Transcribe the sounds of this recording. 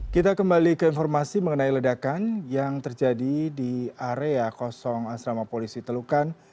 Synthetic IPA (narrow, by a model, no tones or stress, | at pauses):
kit̪akəmbalikəinfɔrmasiməŋənailədakanjaŋt̪ərd͡ʒadidiaɾeakɔsɔŋasɾamapolisit̪əlukan